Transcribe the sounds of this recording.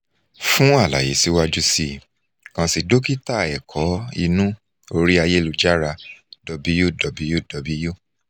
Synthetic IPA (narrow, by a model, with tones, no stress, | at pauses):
fũ˦a˦˨la̰˨je˨˦si˦wa˦d͡ʒu˦si˦ | kã˧si˧do˦ki˦ta˦˨ɛ˨kʰɔ˨˦ḭ˧nũ˦ | o˧ɾi˦a˧je˦lu˨d͡ʒa˦ɾa˧dɔ˨˧bi˧˦ju˦˨dɔ˨bi˧ju˦˨dɔ˨˦bi˧ju˦˨